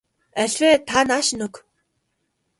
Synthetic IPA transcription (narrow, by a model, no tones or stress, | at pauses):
æɮʲweːt̪ʰanaːʃnɵk